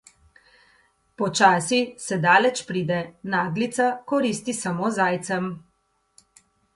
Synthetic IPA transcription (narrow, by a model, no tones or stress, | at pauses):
pɔt͡ʃaːsisɛd̪aːlɛt͡ʃpɾiːd̪ɛnaːɡlit̪sakɔɾist̪isamoːzaːjt̪sɛm